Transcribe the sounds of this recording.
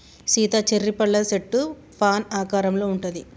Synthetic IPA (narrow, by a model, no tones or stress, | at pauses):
siːt̪ɐt͡ʃeɾːipɐɭːɐseʈːu | pʰaːnaːkaːɾɐmlo̞ːuɳʈund̪i